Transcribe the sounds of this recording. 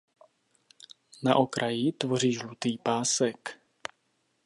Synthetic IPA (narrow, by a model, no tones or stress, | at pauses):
naʔokɾʔajit̪vo̞riːʒlut̪iːpaːsɛk